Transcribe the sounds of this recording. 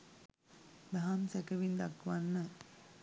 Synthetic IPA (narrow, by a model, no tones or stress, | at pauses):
baɦamsækəʋind̪akʋanːə